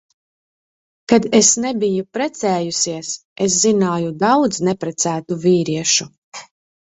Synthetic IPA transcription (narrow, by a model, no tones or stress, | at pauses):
kad̪esnebijupɾɛt̪sɛːjusiɛses̬zinaːjud̪awd̪znɛpɾɛt̪sæːt̪uviːɾiɛʃu